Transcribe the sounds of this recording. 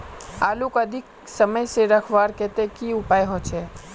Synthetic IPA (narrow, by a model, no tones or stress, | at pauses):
aːlukəd̪ʱɪk | səməjseɾəkʰʋaːɾkɛt̪ekiʊpaːjɦot͡ʃʰɛː